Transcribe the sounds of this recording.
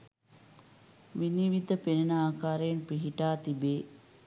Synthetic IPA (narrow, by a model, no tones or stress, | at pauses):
ʋiniʋid̪ʱəpenenaaːkaːɾəjenpiɦiʈaːt̪ibeː